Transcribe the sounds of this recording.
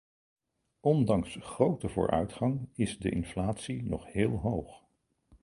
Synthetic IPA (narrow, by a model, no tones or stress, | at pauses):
ʔɔndɑŋsχrowtəvʊ̰ːɹʔœ̰ɥtχɑŋɪzdəʔɪ̰nflaːtsinɔ̰χhɪːlˠɦowχ